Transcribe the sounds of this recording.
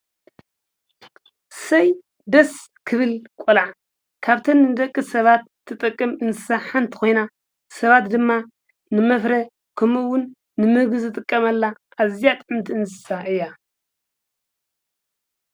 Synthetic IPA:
sɐj | d̪ɐs | kʰɨβɨlkʼɔlaʕ | kʰaβt̪ʰɐnːɨnɨd̪ɐkʼːɨsɐβat̪ːɨt̪ʼɨkʼːɨmɨnsɨ̥saħant̪ʰi̥kʰo̞jna | sɐβat̪d̪ɨmːa | nɨmɐfɾɐ | kʰɐmɨwʊnː | ɨmɨɡɨzɨt̪ʼɨkʼːɐmɐlːa | ʔːzijat̪ʼʕɨmt̪ʰiɨnsɨ̥saʔɨjːa

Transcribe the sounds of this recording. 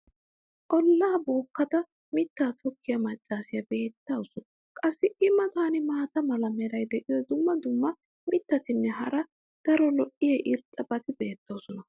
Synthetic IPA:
ʔʼɔlːaːboːkːɐd̪ɐ | mɪt̪ːaːt̪ʰɔkːɪjɐmɐt͡ʃʼːaːsɪjɐbe̞ːt̪ːɐwsɔn | kʼɐsːɪɪmːɐt̪aːnɪmaːt̪ɐmɐlɐmɛɾɐjd̪ɛʔɪjɔd̪ʊmːɐd̪ʊmːɐ | mɪt̪ːɐt̪ɪnːɛɦɐɾɐ | d̪̥ɐɾɔlɔʔɪjɛʔɪɾt̪ʼɐbɐt̪ɪbe̞ːt̪ːɐwsɔnɐ

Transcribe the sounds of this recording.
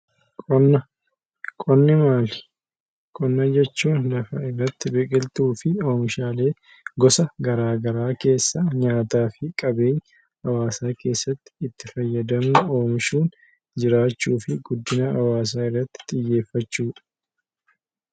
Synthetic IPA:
kʼɔnːɐ | kʼɔnːɪmaːlɪ̥ | kʼɔnːɐd͡ʒɛt͡ʃːuːnlɐfɐɪrːɐt̪ːɪbɛkʼɪlt̪uːfɪo̞ːmɪʃaːle̞ː | ɡɔsɐɡɐɾaːɡɐɾaːke̞ːsːɐɲaːt̪aːfɪkʼɐbe̞ːɲː | ɐwaːsaːke̞ːsːɐt̪ːɪ̥ːt̪ːɪfɐjːɐd̪ɐmuo̞ːmɪʃuːn | d͡ʒɪɾaːt͡ʃːuːfɪɡʊd̪ːɪnɐɐwaːs̬aːɪrːɐt̪ːɪ̥t̪ʼɪjːe̞ːfːɐt͡ʃːuːᶑɐ̥

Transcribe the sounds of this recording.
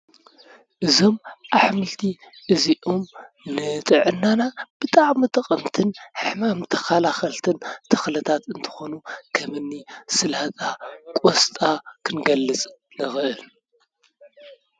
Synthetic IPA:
ʔɨzo̞mʔaħmɨlt̪ʰi | ʔɨziʔom | nɨt̪ʼɨʕɨnːanab̥ɨt̪ʼaʕmit̪ʼɐqʼɐmt̪ʰɨnħɨħmamt̪ʰɐ̥xalaxɐlt̪ʰɨnt̪ʰɐ̥xlɐt̪ʰat̪ɨnt̪ʰɨ̥xo̞nukʰɐmɨnːisɨlhat̪ʼakʼost̪ʼakʰɨnɡɐlːɨt͡sʼ | nɨxɨʔɨl

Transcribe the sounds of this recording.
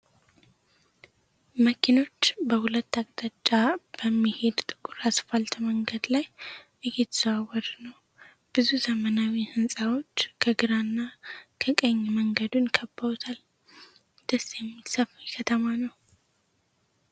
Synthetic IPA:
məkʰino̞t͡ʃːbəhulət̪ːaɡʼd̪̥at͡ʃʼːab̥əmːihed̪t̪ʼɨ̥kʼuɾasfalt̪məŋɡəd̪lajʔɨjet̪swawəɾnəw | b̥ɨzuzəmənawihɨnsʼawo̞t͡ʃːkʰəɡɨɾanːakʰəkʼəɲːməŋɡəd̪unkʰəbːəot̪ʰal | d̪̥əsjɛmːisafjkʰət̪ʰəmanəw

